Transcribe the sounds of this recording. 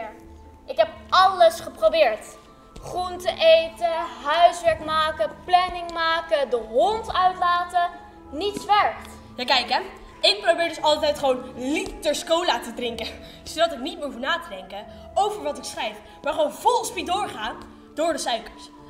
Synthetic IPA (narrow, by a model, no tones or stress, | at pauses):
ʔɪkɦɛp̚ɑləsχəprowbɪːɹt | χruntəʔejtəɦœɥsʋɛɹkmaːkəplɛnɪŋmaːkədəɦɔntœɥtlaːtə | nitsʋɛɹkt | jaːkɛjkɛ | ɪk̚probɪːɹdɵsɑlˠtɛjtχəʋownlitəɹskowlaːtədrɪŋkə | sodɑtɪknit̚məɦufnaːtədɛŋkə | owvəɹʋɑtɪksχrɛjf | maːɹχəʋownvɔlˠspidʊːɹχaː | d̥ʊːɹdəsœɥkəɹs